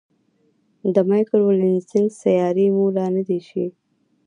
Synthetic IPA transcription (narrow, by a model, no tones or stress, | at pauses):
d̪əmɑjkəlwɪlɪnsɪŋɡsajɑɾimulɑnəd̪iʃi